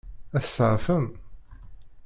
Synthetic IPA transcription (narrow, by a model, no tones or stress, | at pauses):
æθə̥sːəʕfən